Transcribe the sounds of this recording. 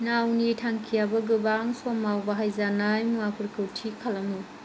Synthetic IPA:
nawnitʰaŋkʰijabɐɡɯbaŋsomːawbɐɦajzanajmuapʰɯɾkɯwtʰikʰalɐmi

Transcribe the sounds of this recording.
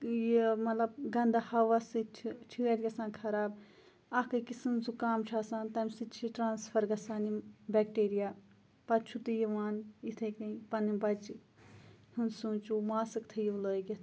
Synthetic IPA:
jemɐt̪lɐbɡɐnd̪ahɐʋɐsɨt͡ʃʰielʲɡʲɐsãːnkʰɐɾaːb | ɐkɨkisɨnzukaːmt͡ʃʰaːsãːnt̪ɐmʲsit͡ʃʰiʈɾaːnspʰɐɾɡɐsaːnibɛk̚ʈeːɾijaː | pɐt͡ʃʰut̪ɨjiʋaːnit̪ʰɐkɐĩpɐnimbɐt͡ʃi | hunsũːt͡ʃumaːsɨkt̪ʰɐjiləːɡʲi

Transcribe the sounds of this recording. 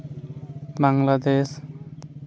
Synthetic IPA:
baŋlad̪es

